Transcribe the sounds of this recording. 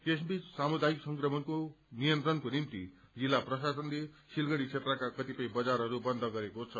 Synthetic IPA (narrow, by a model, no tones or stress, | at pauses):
kesbit͡ssamud̪ajiksʌŋkrʌmʌnkonijʌnt̪rʌnkonimt̪i | d͡zilːaprʌsasʌnle | silɡʌɽ̃it͡sʰet̪rʌkakʌt̪ipʌj̃bʌd͡zaɾɦʌɾubʌnd̪ʱʌɡʌɾekot͡sʰʌ